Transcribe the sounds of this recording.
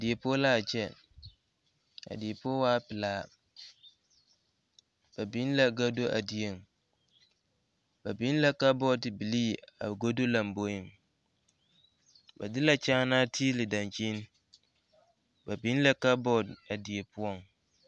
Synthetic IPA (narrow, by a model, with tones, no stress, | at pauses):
a˨dɪ˨e˨pʊ˦ɔ˦la˦˨d͡ʑɛ˦ | a̰˨dɪ˨e˨pʰʊ˦ɔ˦waː˦pɪ˨laː˦ | b̥æ˨bĩ˦n˦la˦ɡa˦do˦ʔa̰˨di˨e˨ŋ˨ | bæ˨bĩ˦n˦la˦ka˦bɔ˦dɪ˨bi˨liː˦a̰˨ɡo˦do˦la˨m̩˨bo˦ɪ˨m | bɛ̰˨dɪ˦la˨t͡ɕʰã˦nãː˦tʰi˦lɪ˨dã˨nt͡ɕʰĩ˦n˦ | bæ˨bĩ˦n˦la˦ka˦bɔ˦da˨di˨e˨pʰʊ˦ɔ˦˨n